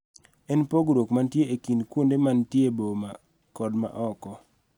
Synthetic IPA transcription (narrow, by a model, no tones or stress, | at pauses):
ɛnpoɡɾokmantjeekinkwundemantjeboma | kɔdma̰ʔɔkɔ